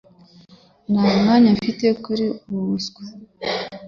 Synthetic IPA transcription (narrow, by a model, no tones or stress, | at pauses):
namŋaɲafitekuɾiuβuβusɡwḁ